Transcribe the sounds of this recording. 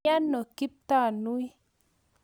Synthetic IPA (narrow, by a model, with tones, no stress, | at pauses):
a˦nːo˨ki˦p̚t̪a˦˨nu˦i˦